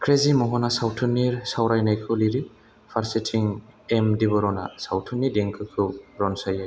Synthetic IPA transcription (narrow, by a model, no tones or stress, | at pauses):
kʰɾezimɔɦɔnasawtʰuniɾsawɾajnajkʰɯliɾi | pʰaɾsetʰiŋemdibɔɾɔna̰sawtʰunːideŋkʰɯkʰɯɾɔnsaja